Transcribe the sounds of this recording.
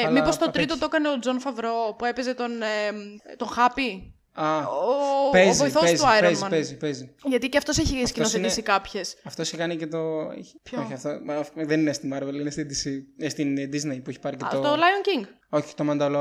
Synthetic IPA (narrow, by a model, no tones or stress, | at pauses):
lmipo̞st̪o̞t̪ɾɾit̪ot̪okɐneod͡zo̞nfɐvɾo̞pue̞peze̞t̪o̞n | t̪o̞xɐpi | ɐoezvoiθosezuɐjɾpozmɐnpezipeziʝɐt̪iceɐft̪o̞seçiscinosθenisikɐpçe̞sɐft̪oiçekɐnicet̪o̥oçiɐft̪ofðeninest̪imɐɾvelinest̪id̪isist̪ind̪iznejpueçi̥pɐɾicet̪ot̪olɐjonciŋɡ | oçi̥t̪omɐnd̪ɐlo